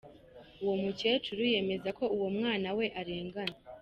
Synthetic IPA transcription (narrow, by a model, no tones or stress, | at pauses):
uwo̞muce̞tuɾuje̞me̞zako̞uwo̞mŋaːnawe̞ʔaɾe̞ːŋɡana